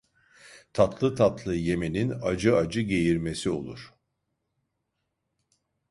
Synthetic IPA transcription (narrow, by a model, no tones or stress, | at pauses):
t̪ʰat̪ʰlˠɯt̪ʰat̪lˠɯje̞me̞ninad͡ʒɯad͡ʒɯɟe̞jiɾme̞sio̞̰lˠuɾ̥